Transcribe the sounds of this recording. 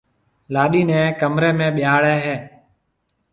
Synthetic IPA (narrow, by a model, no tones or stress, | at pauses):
laːɗiːnɛ̃ːkəmɾeːmẽːɓɪjaːɭeːɦeː